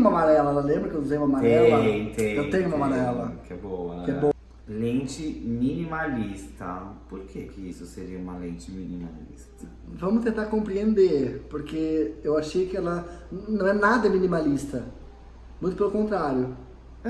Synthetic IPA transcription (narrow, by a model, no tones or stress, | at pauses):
umɐmaɾɛlɐɛlɐlẽmbɾɐkew̪zẽj̃ũmɐmaɾɛlɐt̪ẽewt̪ẽɲʊumɐmaɾɛlɐkɪɛboɐkɪɛbo | lẽnt͡ʃɪminimalist̪ɐpoɾkʰekɪisʊseɾiɐũmɐlẽnt͡ʃɪminima̰lḭst̪ɐ | vɐ̃mʊst̪ẽnt̪aɾkõmpɾiẽnd̪eɾpoɾkeewaʃejkɪɛlɐnɐ̃w̃ɛnad̪ɐminimalist̪ɐ | mũj̃t̪ʊpelʊkõnt̪ɾaɾjʊ